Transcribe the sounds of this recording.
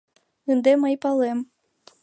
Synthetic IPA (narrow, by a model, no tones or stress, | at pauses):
ɨnd̪emɘjpɑlˠem